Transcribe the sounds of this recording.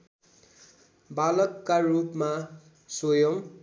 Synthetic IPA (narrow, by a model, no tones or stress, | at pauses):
balʌkkːarupma | sojʌm